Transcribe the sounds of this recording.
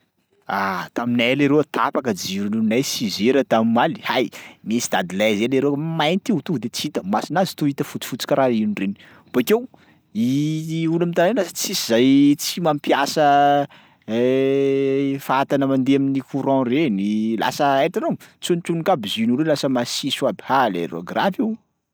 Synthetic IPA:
at̪amineleɾewt̪apakəd͡ʒiɾinunajsizeɾət̪amimali̥hajmesi̥d̪ad̪ilazeleɾemajnit̪it̪ud̪et͡sit̪əmasinazi̥t̪uit̪əfut͡si̥fut͡si̥kəɾainuɳɖ͡ʐeni̥ | ubakew | iulamit̪anenlasə̥t͡sizajt͡simampjasə | faat̪anəmand̪eaminikuɾɑ̃renila̰səeʈ͡ʂanot͡sunt͡ʃunikabizinuɾelasəmasisuabihalḛɾo̰ɡrafiw

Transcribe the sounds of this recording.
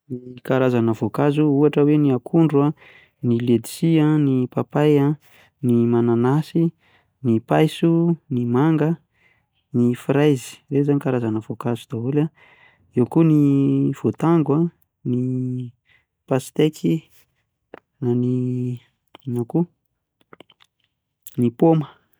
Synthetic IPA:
nikaɾazanəvokazuuaʈ͡ʂəweniakʰuɳɖ͡ʐua | niled̪i̥sianipapaja | nimananasi | nipajsunimaŋɡə | nifɾajzi̥rezanikaɾazanəvokazu̥d̪aɦula | ewkuniv̥ot̪aŋɡwa | ni | pasi̥t̪ekʰi | nani | naku | nipomə̥

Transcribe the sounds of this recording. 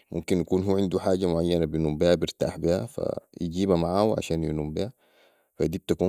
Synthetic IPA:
mʔumkinjakuːnɦuːʕɪnd̪uħaːɟamʊʕajːanabinuːmbihabiɾt̪a̰ːħbiha̰fa̰jiɟiːbamaʕaːuʕa̰ʃaːnjḭnuːmbiha | fad̪iːb̚t̪akuː

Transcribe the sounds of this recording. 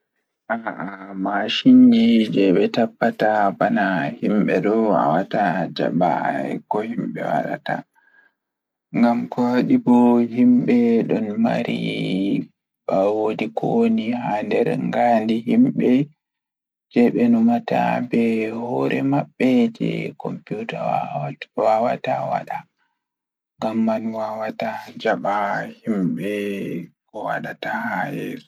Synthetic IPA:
ʔaamaʃiɲd͡ʒid͡ʒɛɓɛtapːatabanahimɓɛɗɔa̰watad͡ʒa̰ba̰ɛkɔhimɓɛ̰wa̰ɗa̰ta̰ | ŋɡamkɔwaɗibɔhimɓɛɗɔnma̰ɾḭ | ɓawodikʰoniɦandɛɾŋɡandihimɓɛ | d͡ʒɛɓɛnɔmatabɛhɔɾʔɛmaɓːɛd͡ʒɛ̰kɔ̰mputa | wawatawa̰ɗa | ŋɡamːanwawatad͡ʒaɓahimɓɛkɔwa̰ɗatahajɛɾ

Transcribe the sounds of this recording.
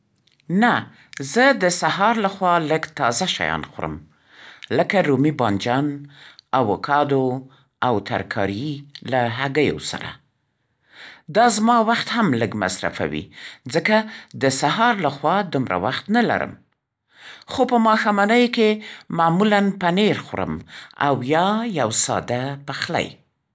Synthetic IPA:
na | zəd̪əsaɦɑɾlaxwɑləɡt̪ɑzaʃa̰jɑ̰nxoɾə̰m | ləkaɾumibɑnd͡ʒɑnawokʰɑd̪o | awt̪a̰ɾkʰɑ̰ɾilaɦaɡəjo̰sa̰ɾa̰ | d̪ɑzmɑwaxt̪hamləɡma̰sɾa̰fa̰wḭd͡zəkad̪əsaɦɑɾlaxwɑd̪umɾa̰waxt̪nala̰ɾə̰m | xopəmɑxamanəjkemɑːmulanpaneɾxʊɾə̰ma̰wjɑjawsɑ̰d̪apaxla̰j

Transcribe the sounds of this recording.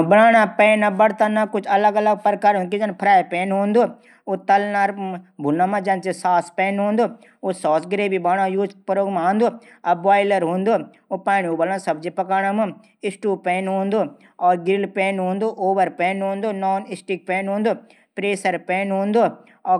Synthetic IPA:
bɐnaːɽ̃apɛːnabɐɽt̪anakʊt͡ʃʰɐləɡɐləɡ̚pəɾkaːɾɦõkid͡ʒɐnpʰɾaːjpɛːnɦõːnd̪oː | ot̪ɐlnaɾbʱʊnːamãd͡ʒɐ̃nt͡ʃesaːspɛːnɦõːnd̪oː | osɔːsɡɾeːbibaːɽ̃ajuːd͡ʒpɐɾoːɡmaãːnd̪oː | ɐbʋaːɪlɐɾɦũːnd̪oː | opaːnoːbɐlãsɐbd͡ʒipɐkaːɽ̃amɨ̃ | ɪsʈuːpɛːnɦõːnd̪oː | ɔːɾɡɪlpɛːnɦõːnd̪oʔoːʋəɾpɛ̃ːnɦõːnd̪oːnɔːnɪsʈik̚pɛːnɦõːnd̪oː | pɾeːsəɾpɛːnɦõːnd̪o | ɔː

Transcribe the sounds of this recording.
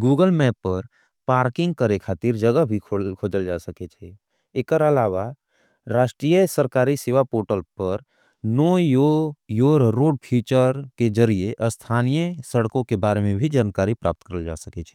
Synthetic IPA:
ɡuːɡəlmɛːpːəɾ | paːɾkɪ̃ŋɡ̚kəɾekʰaːt̪ɪɾd͡ʒəɡəɦbʱikʰokʰoːd͡ʒəld͡ʒaːsəket͡ʃʰɛ | ekəɾəlaːʋa | ɾaːʃʈɾijəsəɾkaːɾiseːʋapoːɾʈəlpəɾ | noːjojoːɾɾoːɖ̚pʰiːt͡ʃəɾked͡ʒəɾieʔəst̪ʰaːnijəsəɽkõkebaːɾemẽbʱid͡ʒaːnkaːɾipɾa̰ːp̚t̪kəɾəld͡ʒa̰ːsəket͡ʃʰɛ̥

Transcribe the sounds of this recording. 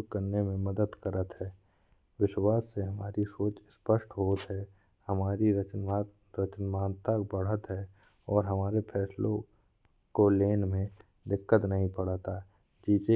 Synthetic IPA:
kəɾnemẽməd̪əd̪kəɾət̪ɦɛː | ʋɪʃwaːsːeɦɐmaːɾisoːt͡ʃspəʃʈɦoːt̪ɦɛ | hɐmaːɾiɾət͡ʃn | ɾət͡ʃənmaːnt̪akbəɽ̤ət̪ɦɛ | ɔːɾɦɐmaːɾepʰɛːslõ | koleːnmẽ | d̪ɪkːət̪nɐɦĩpəɽ̤at̪a | d͡ʒiːse

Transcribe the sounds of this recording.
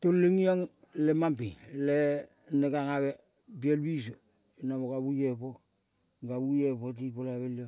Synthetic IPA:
tolːeŋiaŋ | lemampile | neɡaŋaβe | bielbis̬o | inaβokaβujepo | ɡabujepot̬ipolaβelo

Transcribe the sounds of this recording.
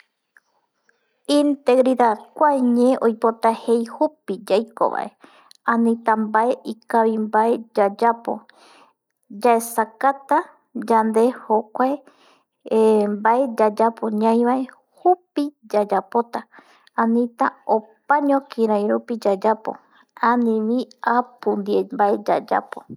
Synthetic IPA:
ĩnt̪e̞ɡɾiðaðkʷaeɲẽʔojpo̞t̪ahe̞jhupid͡ʒajko̰βa̰ʔe | ãnĩt̪ambae̞ʔikaβimbae̞d͡ʒad͡ʒapo̞̰ | d͡ʒaesakat̪a | d͡ʒand̪e̞hokʷae | mbae̞d͡ʒad͡ʒapo̞ɲãj̃βae | hupid͡ʒad͡ʒapo̞t̪a | ãnĩt̪aopaɲõkʰĩɾãj̃ɾupid͡ʒad͡ʒapo̞̰ | ãnĩʋĩapund̪iembaed͡ʒa̰d͡ʒa̰po̰

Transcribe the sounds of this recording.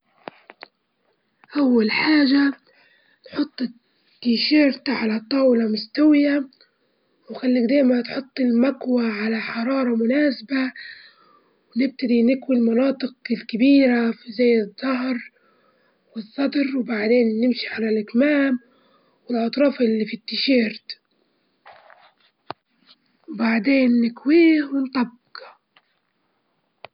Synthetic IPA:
ʔawːalħaːʒa | nħʊt̪ˤː | kiʃeːɾt̪aʕalat̪ˤːɑːwlamʊst̪awɪja | wnxalːiːkd̪eːjmat̪ħʊt̪ˤːɪlmakwaʕalaħɑɾˤɑːɾˤɑmʊnaːsba | wnɪb̚t̪ɪd̪inɪkwilmɑnɑːt̪ˤɨqɪlkɪbiːɾafizajːɨðˤːɑhɾ | wɨsˤːɑd̪ɾˤwbaʕd̪eːnːɪmʃiʕalalʔɪkmaːm | wɪlʕɑt̪ˤɾˤɑːfʔɪlːiːfit̪ːɪʃeːɾt̪ | wbaʕd̪eːnːɪkwiːhwɪnt̪ˤɑbːɪ̥q

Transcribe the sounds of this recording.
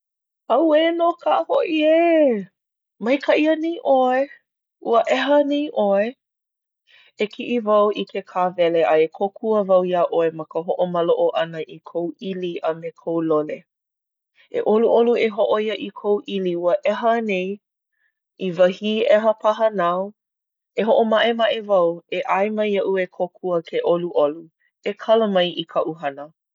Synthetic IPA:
ɐwenokʰaʔəhoʔie | mɐjkʰɐʔiənejʔoe | ʔuəʔɛɦənejʔoe | ekʰiʔivɐwʔikʰekʰavɛleʔɐekʰokʰuəvɐwjaʔoemɐkəɦoʔomɐloʔoʔɐnəʔikʰowʔiliʔɐmekʰowlole | ʔḛʔoluʔolueɦoʔoiəʔikʰowʔiliuəʔɛɦənej | ivɐhiːʔɛɦəpʰɐɦənaw | eɦoʔomɐʔemɐʔevɐweʔajmɐjɐʔuekʰokʰuəkʰeʔoluʔolu | ekʰɐləmɐjʔikʰɐʔuɦɐnə

